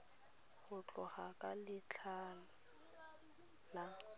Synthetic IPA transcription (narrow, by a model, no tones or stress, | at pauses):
ɣʊt͡ɬʼɔχakʼalɪt͡ɬʰaːlʊ | na